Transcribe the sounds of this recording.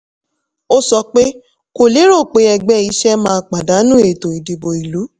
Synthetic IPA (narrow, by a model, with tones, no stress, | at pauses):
o˦sɔ˧k͡pe˦ | ko˨le˨˦ɾo˦˨k͡pe˨˦ɛ˧ɡ͡bɛ˦i˧˦ʃɛ˦mãː˦˧˦k͡pa˨da˨˦nũ˦e˨to˨i˨di˨bo˨i˨lu˨˦